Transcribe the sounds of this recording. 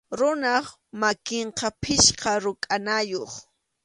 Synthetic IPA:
ɾʊnaχ | makɪɴqɑpʰɪʃqɑɾʊkʼanajoχ

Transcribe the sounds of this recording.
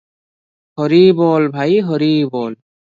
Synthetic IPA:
hɔɾibɔlbʱajɦɔɾibɔl

